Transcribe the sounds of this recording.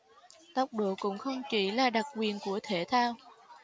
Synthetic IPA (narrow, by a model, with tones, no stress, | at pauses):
t̪ə˨˩wk͡p̚ɗo̰˧˨kʊ̰˧˥ŋ͡mxə˧wŋ͡mt͡ɕi˧˦laː˨˩ɗa˨˩k̚kwi˨˩ənku˧˩ət̪ʰe˧˩t̪ʰaː˧w